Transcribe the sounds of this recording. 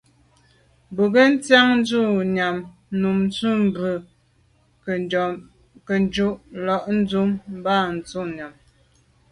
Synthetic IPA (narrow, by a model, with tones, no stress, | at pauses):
bu˨ɡə˦n̩˦t͡sja˦ŋn̩˦d͡zu˦˨ɲa˨mnu˨m˦t͡su˦˨m˦bʉ˨ | kə˨n˦d͡ʒu˦ʔlɔ˨ʔn̩˦d͡zu˦mm˦ba˦˨n̩˨t͡su˦˨ɲa˨m